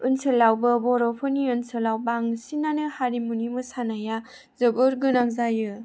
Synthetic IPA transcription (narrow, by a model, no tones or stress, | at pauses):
ɯnsɯlawbɯbɔɾɔpʰɯniɯnsɯlawbaŋsinanɯhaɾimunimɯsanaja | zɯbɯɾɡɯnaŋzajɯ